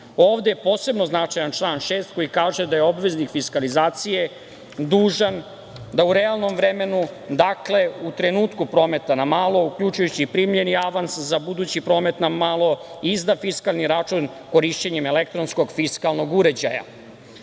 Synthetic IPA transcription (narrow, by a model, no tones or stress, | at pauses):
o̞ːʋd̪ejepo̞ːse̞bno̞znat͡ʂajant͡ʂlˠaːnʃe̞ːst̪̚ko̞jikaːʒed̪ajeo̞bʋe̞znikfiskalizaːt̪sije̞ | d̪uːʒan | d̪auɾealˠno̞mʋɾeme̞nud̪akle̞ut̪ɾe̞nuːt̪kupɾo̞ːme̞t̪anamalˠo̞ukʎut͡ʃujut͡ɕipɾimlʎe̞niaʋanszabud̪uːt͡ɕipɾo̞ːme̞t̪namalˠo̞izd̪afiskalˠniɾat͡ʂun | ko̞ɾiʃt͡ɕeɲeme̞lekt̪ɾo̞nsko̞ɡfiskalˠno̞ɡuɾe̞d͡ʑa̰ja̰